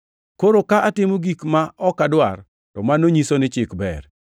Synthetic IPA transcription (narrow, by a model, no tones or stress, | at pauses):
koɾokaʔatɪmoɡikmaʔɔkːadwar | tɔmanːoɲisonɪt͡ʃɪkbɛ̰r